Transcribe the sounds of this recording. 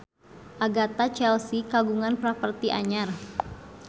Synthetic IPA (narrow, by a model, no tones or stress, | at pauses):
ʔaɡat̪at͡ʃɛlsikaɡuŋanpɾapərt̪iʔaɲar